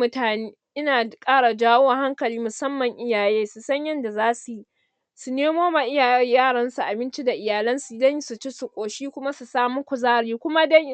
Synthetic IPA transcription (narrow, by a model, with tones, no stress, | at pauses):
mʊ˦taː˨neː˦ʔɪ˦naː˨kʼaː˦ɽa˨d͡ʒaː˦woː˦wa˨ɦa˦ŋkɐ˨liː˦mʊ˨sɐ˦mːɐ˨ŋʔɪ˦jaː˨jeː˦su˨sɐ˦ɲjɐ˦nda˨zaː˦su˨ji˦ | su˨neː˦moː˦maː˨ʔɪ˦jaː˨jjaː˦˨ɽɐ˦nsu˨ʔa˨bɪ˦nt͡ʃi˦da˨ʔɪ˨jaː˨lɐ˦nsu˨˦dɐ˦ɲ˦su˨t͡ʃi˦su˨kʷʼoː˨ʃiː˦kʷʊ˦ma˦su˨saː˦mu˦kʷʊ˨zaː˦ɽiː˦kʷʊ˦ma˦dɐ˦ŋ˦